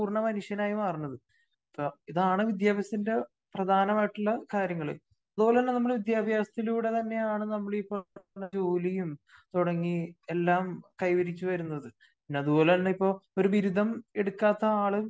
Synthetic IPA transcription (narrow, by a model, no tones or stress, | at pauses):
uːrɐɳɐmɐnuʂjɐnaːjumɐrɐnːɐðɨ | ipːoiðaːɳɨʋid̪jaːbɐst̪ːinde̞ | prɐd̪ʱaːnɐmaːjiʈːuɭːɐkaːɾjɐŋːɐɭḛ | ɐðubo̞ːleɐnːɐnɐmːɐɭʋid̪jaːbʱjaːsɐt̪iluːɽe̞t̪ɐnːe̞jaːɳɨnɐmːɐɭipːonːɐd͡ʑoːlijumt̪uɽɐŋːie̞lːaːmkɐjʋɐɾit͡ɕːuʋɐɾunːɐðɨ | inːeɐðuboːlenːɐipːo̞ːo̞ɾuʋiɾud̪ʱɐme̞ɽukːaːt̪ːɐaːɭɨ